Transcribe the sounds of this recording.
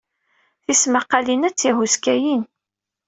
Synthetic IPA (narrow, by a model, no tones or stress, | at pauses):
θismaqːɑlinæt͡sːjiɦuskæjin